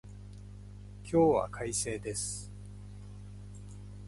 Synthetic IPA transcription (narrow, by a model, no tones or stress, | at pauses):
kʲʰo̞ːβa̰kʰaise̞ːd̪e̞sɨ̥